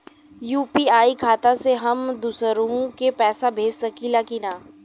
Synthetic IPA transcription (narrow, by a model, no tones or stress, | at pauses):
juːpiaːikʰaːt̪ãseɦɐmd̪usəɾõkepɛːsabʱeːd͡ʒsɐkilaːkinaː